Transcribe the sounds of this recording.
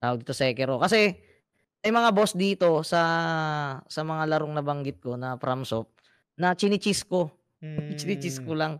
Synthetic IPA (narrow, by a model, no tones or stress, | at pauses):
t̪awɐɡ̚d̪iːt̪osɐɛkɛɾokɐsɛ | mɐjmɐŋabo̞sd̪iːt̪o̞sɐ | sɐmɐŋalɐɾoŋnɐbɐŋɡɪt̪̚ko̞nɐpɾʔamsop̚ | nɐt͡ʃɪnɪt͡ʃɪsko | t͡ʃɪnɪt͡ʃɪskolaŋ